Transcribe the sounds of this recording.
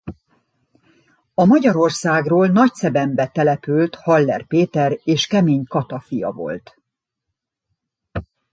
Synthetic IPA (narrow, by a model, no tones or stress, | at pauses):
ɒmɒɟɒɾo̞rsaːɡroːlnɒcsɛbɛmbɛt̪ɛlɛpylt̪hɒlːɛ̰rpeːt̪ɛɾeːʃkɛmeːɲkɒt̪ɒfijɒ̰vo̞̰lt̪